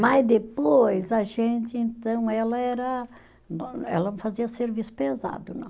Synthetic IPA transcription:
majd̪epojzɐʒẽnt̪ɪẽnt̪ɐ̃w̃ɛlɐɛɾɐ | nɛ̰lɐnɐ̃faziɐseɾvisʊ̥peza̰d̪ʊnɐ̃

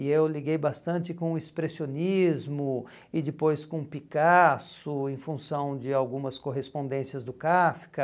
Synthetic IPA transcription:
ɪewliɡejbast̪ɐ̃nt͡ʃɪkõʊispɾesionizmʊ | ɪd͡ʒɪpojskõũpikasʊẽj̃fũsɐ̃w̃d͡ʒɪawɡũmɐskoɦeskõnd̪ẽsiɐzd̪ʊkafi̥kɐ

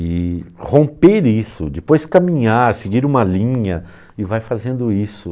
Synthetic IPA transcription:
ɪhõpeɾisʊ̰d͡ʒɪpojskɐmĩɲaɾseɡiɾũmɐlĩɲɐ | ɪvajfazẽnd̪ʊisʊ

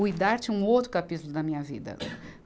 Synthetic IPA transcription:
uid̪aɾt͡ʃɪũowt̪ɾʊkapit̪ulʊd̪ɐmĩɲɐvḭd̪ɐ̰

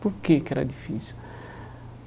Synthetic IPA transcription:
poɾkekɛɾɐ̰d̪ifisi̥

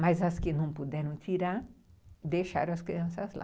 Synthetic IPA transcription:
majzaskenũmpud̪ɛɾũt̪ʰʲiɾa | d̪eʃa̰ɾaskɾiɐ̃nsasla̰

